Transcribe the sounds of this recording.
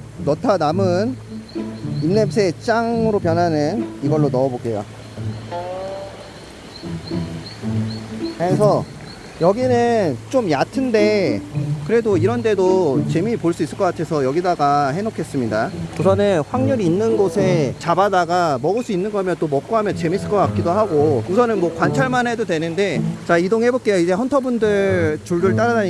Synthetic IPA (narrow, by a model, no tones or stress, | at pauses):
nʌtʰanamɯn | imne̞msʰet͡ɕ͈aŋɯɾop̬jʌnɦanɯniɡʌɭːonʌbok͈e̞jo̰ | eesʰʌ | jʌɡinɯnt͡ɕomjatʰɯnde̞ | kɯɾe̞doiɾʌnte̞dot͡ɕe̞mipoɭs͈uis͈ɯɭk͈ʌk͈atʰe̞sʰʌjʌɡidaɡaɦe̞nokʰe̞s͈ɯmɲidausʰʌnɯnɸwaŋɲuɾiːnːɯnɡosʰe̞t͡ɕabadaɡamʌɡɯɭs͈uinːɯnɡʌɦamjʌnt͈omʌk̚k͈oɦamjʌnt͡ɕe̞mis͈ɯɭk͈ʌk͈ak͈idoɦaɡousʰʌnɯnmwʌkwant͡ɕʰaɭmanɦe̞dodwe̞nɯnde̞t͡ɕaidoŋɦe̞bok͈e̞joid͡ʑe̞hʰʌntʰʌbundɯɭt͡ɕuɭduɭt͈aɾada